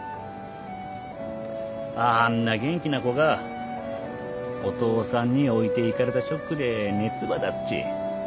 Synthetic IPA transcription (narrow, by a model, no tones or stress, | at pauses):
ãːnːaɡẽ̞ŋkʲinako̞ɡa | ot̪o̞ːsãɲ̟ːio̞it̪e̞ikaɾe̞t̪aɕo̞kːɯ̟d̪e̞ne̞t͡sɨβad̪asɨ̥ɕḭ